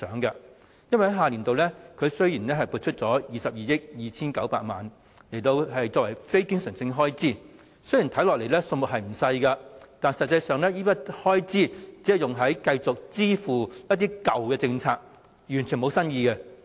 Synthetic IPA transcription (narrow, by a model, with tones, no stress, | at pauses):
sœː˨˥ŋkɐ˧ | jɐ˥nwɐ˨jhɦaː˨liː˨˩nt̪o˨wlɛː˥kʰɵ˨˧ɥsɵ˥ɥjiː˨˩nlɛː˥ɦɐ˨jpuː˧t̚t͡ʃʰɵ˥t̚t͡sɔː˨˥jiː˨sɐ˨p̚jiː˨jɪ˥k̚jiː˨t͡sʰiː˥nkɐ˨˥wpa̰ː˧t̚ma̰ː˨n | le˨˩jt̪o˧wɦɐ˨jt͡sɔː˨k̚wɐ˨˩jfe˥jkɪ˥ŋsœː˨˩ŋsɪ˧ŋɦɔː˥jt͡siː˥ | sɵ˥ji˨˩nt̪ʰɐ˨˥jlɔː˨le˨˩jlɛː˥sɵ˧nmʊ˨t̚ɦɐ˨jm̩˨˩sɐ˧jkɐ˧t̪aː˨nsɐ˨t̚t͡sɐ˧jsœː˨ŋlɛː˥jiː˥pɐ˥t̚hɔː˥jt͡siː˥t͡siː˨˥hjʊ˨ŋɦɐ˨˥jkɐ˧jt͡sʊ˨k̚t͡siː˥fuː˨jɐ˥t̚t̪iː˥kɐ˨wkɛː˧t͡sɪ˧ŋt͡sʰaː˧k̚ | jyː˨˩nt͡ʃʰy˨˩nmo˨˧wsɐ˥njiː˧kɛ˧